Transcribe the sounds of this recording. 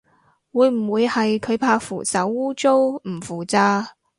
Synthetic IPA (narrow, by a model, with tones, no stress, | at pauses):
wuː˨˧jm̩˨˩wuː˨˧jhɐ˨jkʰɵ˨˧ɥpʰaː˧fṵː˨˩sɐ˨˥wːuː˥t͡so˥wm̩˨˩fuː˨˩t͡saː˧